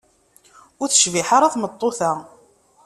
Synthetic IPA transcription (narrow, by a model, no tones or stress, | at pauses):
ʊɾθə̥ʃviħaɾˤaθmət̪ˤːoθæ